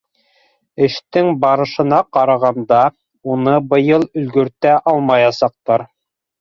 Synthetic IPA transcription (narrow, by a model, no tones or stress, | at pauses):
ɘ̆ʃt̪ɘŋbɑɾɤ̆ʃɤ̆nɑqɑɾɑʁɑnd̪ɑ | unɤbɤ̆jɤlˠɵ̆lɡɵ̆ɾt̪æʔɑlˠmɑjɑsɑq̚t̪ɑɾ